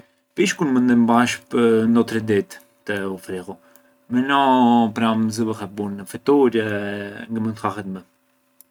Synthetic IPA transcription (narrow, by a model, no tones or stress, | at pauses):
piʃkunmənd̪əmbaʃpənd̪ɔt̪ɾɛd̪it̪ː | əufɾiɣu | mɛnɔpɾaməzəbəxɛbuɾnəfɛt̪uɾjɛŋɡəmənd̪xaxɛt̪mɛ